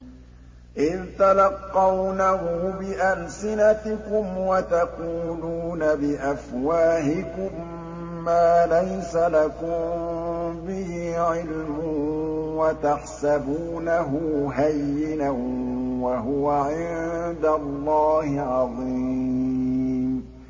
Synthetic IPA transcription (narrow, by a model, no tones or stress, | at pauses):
ʔɪðt̪alɑqːɑwnaɦʊbɪʔalsɪnat̪ɪkʊmwat̪aquːluːnabɪʔafwaːhɪkʊmː | aːlajsalakʊm | bɪhiːʕɪlmʊwat̪aħsabuːnaɦʊɦajːɪnawaɦʊwaʕɪnd̪alˤːɑːhɪʕɑðˤiː | m